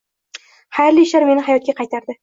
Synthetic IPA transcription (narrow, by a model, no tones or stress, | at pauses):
hajɾliʃaɾme̞nɪɦajɒt̪̚ɡʲaqʰɑjt̪ʰaɾd̪ɪ